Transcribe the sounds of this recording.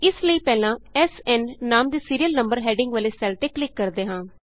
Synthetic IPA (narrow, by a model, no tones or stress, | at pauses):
ɪsləiːpɛːlãːɛːsɛːnːaːmd̪eːsiːɾijəlnəmbəɾɦɛːɖɪŋɡʋəleːsɛːlt̪eːklɪkːəɾd̪eːɦãː